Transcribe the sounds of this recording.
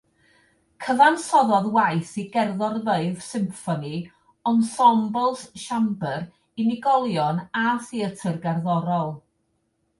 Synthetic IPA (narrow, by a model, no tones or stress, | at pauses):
kʰəvansɔðɔðwajθiɡɛrðɔrðəɨðsɪmfɔni | ɔnsɔmbɔlˠsʃambəɾ | iniɡɔlˠjɔnaθiətʰərɡarðɔɾɔlˠ